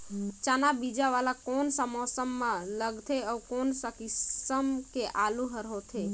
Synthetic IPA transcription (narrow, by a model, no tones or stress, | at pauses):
t͡ʃanabid͡ʒaʋalakonsəmɔsəmːãləɡt̪ʰeəʋkonsəkisəmkeʔalũɦəɾɦot̪ʰe